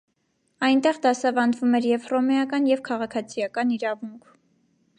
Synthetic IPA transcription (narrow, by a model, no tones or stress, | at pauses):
ɑjnt̪ɛʁd̪ɑsɑvɑnd̪vumɛɾjɛvrɔmɛjɑkɑnjɛvkʰɑʁɑkʰɑt͡sʰijɑkɑniɾɑvuŋkʰ